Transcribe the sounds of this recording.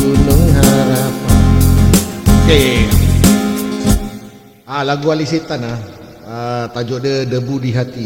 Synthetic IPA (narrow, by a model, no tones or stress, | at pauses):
unʊŋɦaɾapa | ke | alaɡualisit̪ana | ət̪ad͡ʒɔʔdədəbudiɦat̪i